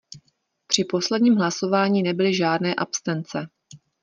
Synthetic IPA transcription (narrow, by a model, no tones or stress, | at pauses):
pr̝̥ɪpo̞slɛdɲiːmɦlaso̞vaːɲiːnɛbɪlɪʒaːdnɛːʔapst̪ɛnt͡sɛ